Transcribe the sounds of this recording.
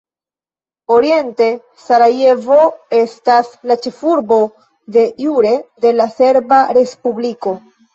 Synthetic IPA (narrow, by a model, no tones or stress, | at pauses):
o̞ɾie̞nte̞ | saɾaje̞vo̞e̞staslat͡ʃe̞fuɾbo̞ | de̞juɾe̞de̞lase̞ɾbaɾe̞spubliko̞